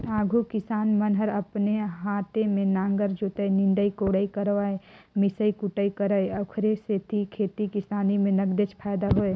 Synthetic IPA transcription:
aːɡʱukɪsaːnmənɦəɾəpneɦaːt̪emẽnãːŋɡəɾd͡ʒoːt̪əinɪ̃ɳɖəikoːɽəikəɾʋaːemɪsəikʊʈəikəɾəjəkʰɾeset̪ʰikʰeːt̪ikɪsaːnimẽnəɡd̪et͡ʃpʰaːd̪aɦoe

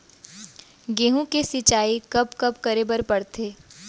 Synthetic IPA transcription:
ɡeːɦũkesɪt͡ʃaːikɐpkɐpkɐɾebəɾpɐɽt̪ʰeː

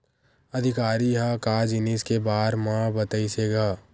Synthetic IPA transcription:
ɐd̪ʱɪkaːɾiɦakaːd͡ʒɪniskebaːɾmãbət̪əiseɡaː

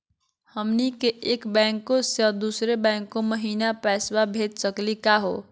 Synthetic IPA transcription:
hʌmnikeʔekbaŋkːosjʌd̪usɾebaŋkːomʌɦinapasbabʱet̪̚sʌklikaɦo̰

